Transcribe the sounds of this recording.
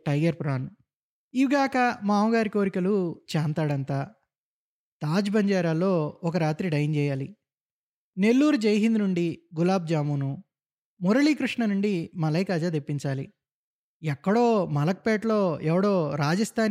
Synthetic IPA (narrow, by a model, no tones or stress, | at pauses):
ʈɐjɡɐɾpɾaːn | iʋɡaːkɐmaːmɐɡaːɾiko̞ːɾikɐlut͡ʃaːnt̪aːɽɐnt̪aː | t̪aːd͡ʒbɐɲd͡ʒaːɾaːlo̞ːɔkɐɾaːt̪ɾiɖɐjnd͡ʒɛːjaːlḭ | ne̞lːuːɾud͡ʒɐjɦind̪nuɳɖiɡulaːb̚d͡ʒaːmuːnu | muɾɐɭiːkɾiʂɳɐnuɳɖimɐlɐjkaːd͡ʒaːd̪epːiɲt͡ʃaːlḭ | ɛkːɐɽo̞ːmɐlɐk̚pɛːʈlo̞ːɛʋɐɽo̞ːɾaːd͡ʒɐst̪ʰaːn